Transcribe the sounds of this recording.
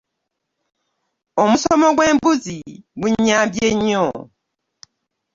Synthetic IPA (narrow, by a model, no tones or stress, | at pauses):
omusomoɡweːmbuzimuɲabjeɲːo